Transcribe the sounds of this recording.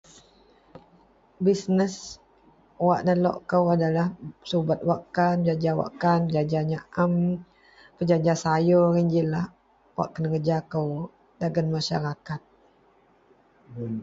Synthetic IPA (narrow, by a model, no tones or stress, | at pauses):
bisnəs | waʔnəlɔ̰ʔkəwadalahsubat̪̚waʔkand͡ʒad͡ʒawa̰ʔkanpəd͡ʒad͡ʒaɲaʔam | pəd͡ʒad͡ʒasajɔɾiɲd͡ʒilah | wa̰ʔkənəkəd͡ʒakəw | daɡənmaʃa̰ɾakat̪̚